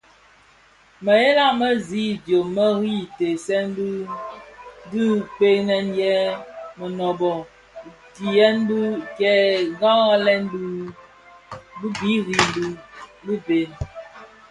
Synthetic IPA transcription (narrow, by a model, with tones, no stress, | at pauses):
mə˨je˦la˦mə˦zi˦˨djoː˨ə˦ɣi˦te˨sɛ˦n˦d | di˦k͡pe˦nɛ˦njɛ˦mə˨nɔ˨bɔ˨ | ti˨jɛ˦n˦bu˦kɛ˦ɡa˦ɣa˦lɛ˦nb | bu˦bi˦ɣi˦n˨˦du˦bi˦be˨n